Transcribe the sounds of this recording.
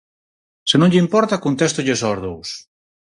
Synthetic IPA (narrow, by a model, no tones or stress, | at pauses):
senõɲʎɪimpɔɾt̪akont̪ɛst̪ʊʎesɔɾðows